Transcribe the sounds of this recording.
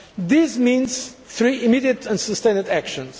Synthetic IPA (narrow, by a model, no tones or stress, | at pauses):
ðizmĩnz̥ | θɹiʔimidiət̪ʰə̃nsəst̪ẽɪ̃nɨdækʃə̃nz̥